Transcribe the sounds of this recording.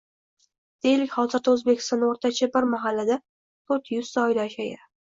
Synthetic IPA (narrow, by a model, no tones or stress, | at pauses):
d̪̥e̞jɪlɪkʲχɒzɪɾd̪aɵzbekʲɪ̥st̪ɒnd̪aoɾt̪ʰat͡ʃʰabɪɾmaɦalːad̪a | t̪ʰot̪jʊz̥t̪aɒjd̪aːʃajɪ